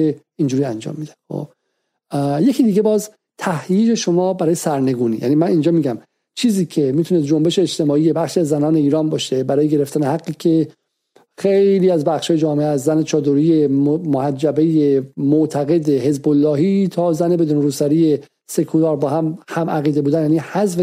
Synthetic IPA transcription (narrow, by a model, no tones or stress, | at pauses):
e | ind͡ʒuːɾiænd͡ʒɒ̰ːmːiːd̪ænxo̰b | je̞cʰid̪iːɡebɒːz | t̪ʰæhjiːd͡ʒe̞ʃo̞mɒːbæɾɒːjesæɾne̞ɡuːnḭːjæ̰nimænind͡ʒɒːmiːɟæm | t͡ʃʰiːziːcʰe̞miːt̪ʰuned̪̚d͡ʒo̞mbe̞ʃeːt͡ʃt̪ʰe̞mɒːiːje̞bæxʃiːæzːænɒːne̞iːɾɒːmbɒːʃebæɾɒːjeɡe̞ɾe̞ft̪ænehæɡːiːcʰe̞ | xejliːæzbæxʃhɒːje̞d͡ʒɒːmeæszæne̞t͡ʃʰɒːd̪oɾiːjemohæd͡ʒːæbejemoʔt̪ʰæɣe̞d̪ehe̞zbolːɒːɦiːt̪ʰɒːzæne̞be̞d̪uːneɾuːsæɾiːe | se̞kʰulɒːɾbɒːhæmhæmæɣiːd̪e̞buːd̪ænjæːnihæzve